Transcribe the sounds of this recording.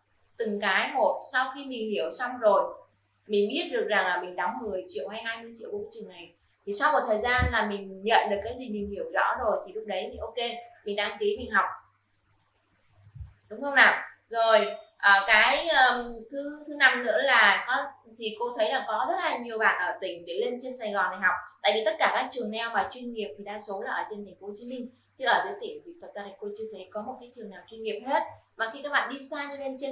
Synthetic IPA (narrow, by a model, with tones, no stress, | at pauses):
t̪ɨ˨˩ŋkaː˨˦jmo˨˩t̚sa˧wxi˧mï˨˩ŋ̟hi˧˩əwsa˧wŋ͡mzo˨˩j | mï˨˩ŋ̟ɓi˦˥ət̚ɗɨ˨˩ək̚za˨˩ŋlaː˨˩mï˨˩ŋ̟ɗɔ˨˦wŋ͡mŋɨ˨˩əjt͡ɕḭ˧˨əwha˧jɦaː˧jmɨ˧ət͡ɕḭ˧˨wkːt͡ɕɨ˨˩əŋna˨˩j | t̪ʰi˨˩sa˧wm̚˨˩t̪ʰəː˨˩jzaː˧nlaː˨˩mï˨˩ŋ̟ɲə̰˧˨nɗɨ˨˩əkːaː˨˦jzi˨˩mï˨˩ŋ̟hi˧˩əwzɔ̰˧˥zo˨˩jt̪ʰi˨˩lʊ˨˦˥k͡p̚ɗə˨˦jt̪ʰi˨˩ʔo˧ke˧mi˨˩ŋ̟ɗaː˧ŋk̪i˨˦mï˨˩ŋ̟ɦa˨˩wk͡p̚ | ɗʊ˨˦wŋ͡mxə˧wŋ͡mnaː˨˩w | zo˨˩jʔəː˨˩kaː˨˦jʔəː˨˩t̪ʰɨ˨˦t̪ʰɨ˨˦na˧˩mnɨ̰˧˥əlaː˨˩kɔ˨˦ | t̪ʰi˨˩ko˧t̪ʰə˨˦jlaː˧˩ŋkɔ˨˦zə˦˥t̚laː˨˩ɲi˨˩əwɓa̰ː˧˨nʔəː˧˩t̪ï˧˩ŋ̟ɗe˧˩le˧nt͡ɕe˧nsa˨˩jɣɔ˨˩na˨˩ɦa˨˩wk͡p̚t̪a̰ː˧˨jvi˨˩t̪ə˦˥t̚kaː˧˩kaː˦˥k̚t͡ɕɨ˨˩əŋnɛ˧˩wmaː˨˩t͡ɕwi˧nŋi˨˩əp̚t̪ʰi˨˩ɗaː˧so˨˦laː˨˩ʔəː˧˩t͡ɕe˧nt̪ʰa˨˩ŋ̟fo˨˦˧t͡ɕi˨˦mï˧ŋ̟ | t͡ɕɨ˧ʔəː˧˩zɨ̰˨˦əjt̪i˧˩əŋt̪ʰi˨˩t̪ʰə˨˩t̚zaː˧ɾi̟˨˩ko˧t͡ɕi˧ət̪ʰe˨˦jkɔ˨˦mo˨˩t̚kaː˨˦jt̪ʰɨ˨˩əŋnaː˨˩wt͡ɕwi˧nŋi˨˩əp̚he˦˥t̚maː˨˩xi˧kaː˨˦jɓa̰ː˧˨ɗi˧saː˧ɲɨ˧le˧nt͡ɕe˧